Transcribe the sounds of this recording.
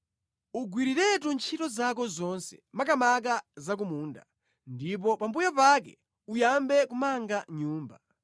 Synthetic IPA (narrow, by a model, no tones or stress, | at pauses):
uɡwiɾiɾɛtunt͡ʃʰitɔzak̬ɔzɔnsɛ̥makamakazak̬umuːnda̰ | ndip̬ɔpambujɔpakɛ̰ | ujambɛkumaŋɡaɲuːmba